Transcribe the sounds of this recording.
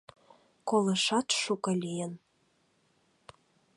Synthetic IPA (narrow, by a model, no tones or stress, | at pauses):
kolɤʃɑt̪ʃukɤ̆lʲijən